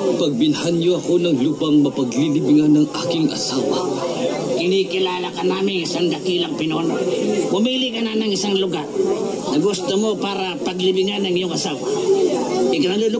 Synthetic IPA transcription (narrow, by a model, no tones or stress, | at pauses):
pɐɡ̚bɪnhanjoɐko̞nɐŋlupɐŋmɐpɐɡlilɪbɪŋanɐŋʔaːkɪŋʔɐ̰saːwɐ | kɪnikɪlaːlakɐnaːmɪŋsaŋd̪ɐkilɐŋpɪnɐonpʊmilɪkɐnanɐŋɪsaŋlʊɡaɾ | nɐɡust̪omopaːɾɐpɐɡlɪbɪŋanːɐŋjʊŋɐsaːwɐ | ɪkɐnɐlʊlʊ